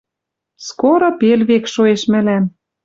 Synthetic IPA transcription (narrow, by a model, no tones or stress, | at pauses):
skoɾopelβekʃoeʃmɘ̆læm